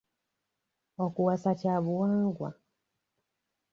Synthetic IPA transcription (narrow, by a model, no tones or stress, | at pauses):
wakuwasat͡ʃaβuaŋɡwa̰